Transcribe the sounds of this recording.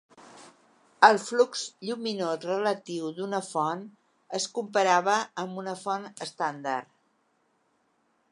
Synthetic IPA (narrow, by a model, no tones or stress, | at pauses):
əlˠflukzʎuminozrələt̪iwd̪unəfɔn | əskumpəɾaβəːmbunəfɔnəst̪and̪ar